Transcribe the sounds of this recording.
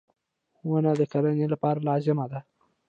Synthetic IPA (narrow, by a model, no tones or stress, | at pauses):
wənad̪əkaɾanelapɑɾalɑzɪmad̪a